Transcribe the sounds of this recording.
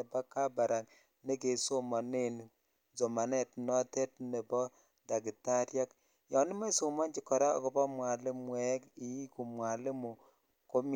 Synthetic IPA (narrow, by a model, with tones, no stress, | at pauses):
e˨ba˦ka˦ba˨ɾa˨k | ne˦ke˨so˦ma˨ne˦˨n˨ | zo˨ma˨nɛ˨tnɔ˦te˦tne˨bɔ˦ | da˨ki˨ta˦ɾja˦k | jɔ˨˦ni˦ma˦i˦so˨ma˦nt͡ʃi˨kːɔ˨ɾa̰˦˨ko˨bɔ˦mwa˨lɪ˦mwɛ˦ki˨˦ku˨mwa˨le˦mu˨ | ko˦m